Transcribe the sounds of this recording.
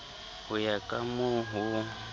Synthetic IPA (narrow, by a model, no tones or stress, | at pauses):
hujakʼamuɦu